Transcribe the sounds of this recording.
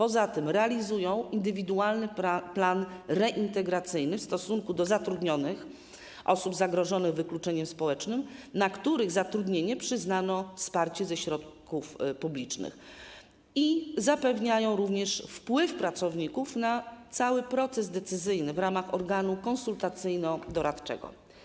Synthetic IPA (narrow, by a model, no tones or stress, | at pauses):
pɔzat̪ɘmɾɛalʲizujɔ̃w̃ʔind̪ɘvʲid̪ualnɘplanɾɛʔint̪ɛɡɾat̪sɘjnɘfst̪ɔsuŋkud̪ɔzat̪ɾud̪ɲɔnɘx | ʔɔ̰subzaɡɾɔʐɔnɘɣvɘklut͡ʂɛɲɛmspɔwɛt͡ʂnɘmnakt̪uɾɘɣzat̪ɾud̪ɲeɲɛpʂɘznanɔfspaɾt͡ɕɛzɛɕɾɔt̪̚kufpublʲit͡ʂnɘ̰x | izapɛvɲajɔ̃w̃ɾuvɲɛʂfpwɘfpɾat̪sɔvɲikufnat̪sawɘpɾɔt̪sɛzd̪ɛt̪sɘzɘjnɘvɾamaxɔɾɡanukɔ̃nsult̪at̪sɘjnɔd̪ɔɾat̪t͡ʂɛ̰ɡɔ̰